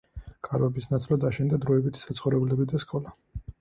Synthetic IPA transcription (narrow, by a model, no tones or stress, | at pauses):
kʼaɾɛbisnat̪sʼlˠad̪aʃɛnd̪ad̪ɾɔɛbit̪ʰi̥sat̪sχɔvɾɛblɛbid̪askʼɔla